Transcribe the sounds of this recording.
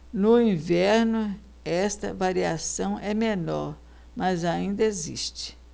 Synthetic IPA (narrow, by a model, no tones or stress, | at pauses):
nʊĩvɛɾnʊ | ɛst̪ɐ̰vaɾiasɐ̃w̃ʔɛmenɔ̰ɾ | mɐzaĩnd̪ɐezḭʃt͡ʃɪ̥